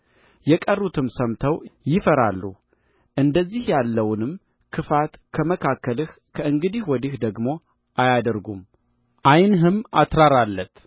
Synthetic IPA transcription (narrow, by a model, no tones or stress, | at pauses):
jɛkʼərːut̪ʰɨmsəmt̪ʰəwjɪfəɾalːṵ | ʔɨnd̪əzːihjalːəwnɨm | kʰɨfat̪kʰəməkʰakːəlɨh | kʰəʔɨŋɡɨd̪ihwɔd̪ihd̪əɡmo̞ | ʔajad̪əɾɡum | ʔajnɦɨmat̪ɾaɾalːət̪